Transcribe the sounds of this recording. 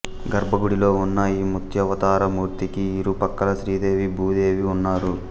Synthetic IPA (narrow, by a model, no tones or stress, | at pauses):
ɡɐɾbʱɐɡuɽilo̞ːunːɐiːmut̪ʰjɐʋɐt̪aːɾɐmuːɾt̪ikiːɾupɐkːɐlɐʃɾiːd̪eːʋibʱuːd̪e̞ːʋiunːaːɾu